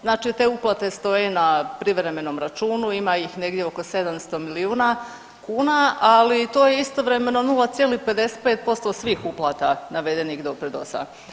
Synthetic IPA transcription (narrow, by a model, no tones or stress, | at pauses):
znaːt͡ʃit̪e̞ːuplˠat̪e̞st̪o̞jenapɾiʋɾeme̞no̞mɾat͡ʃuːnuimaixne̞ɡd̪jeoko̞se̞d̪amst̪o̞miliuːna | kuːnaalit̪o̞ːjeist̪o̞ʋɾe̞me̞no̞nulˠat̪sjeːlipe̞d̪e̞set̪̚pe̞ːt̪̚po̞st̪o̞sʋiːxuplˠaːt̪anaʋe̞d̪e̞niɣd̪o̞pɾed̪o̰sa̰